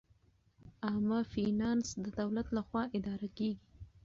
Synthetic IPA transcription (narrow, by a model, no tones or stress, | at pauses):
amɑfinɑnsd̪əd̪awlat̪laxwɑʔɪd̪ɑɾakeɡi